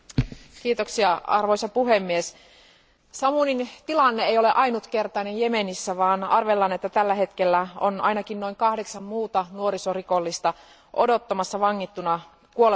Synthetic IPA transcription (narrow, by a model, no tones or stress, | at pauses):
kiːt̪oksiɑɑ̰rʋo̞jsɑpuɦemːies | sɑmunint̪ilɑnːeejo̞le̞ʔɑinut̪ke̞rt̪ɑinejjemenisːæʋɑːnɑrʋelːɑnet̪ːæt̪ælːæɦe̞t̪kelːæo̰nɑ̰inɑkinno̞iŋkɑhdeksɑmmuːt̪ɑnuoɾisorikolːist̪ɑ | ʔo̰do̞t̪ːɑmɑsːɑʋɑŋːit̪ːunɑ | kuole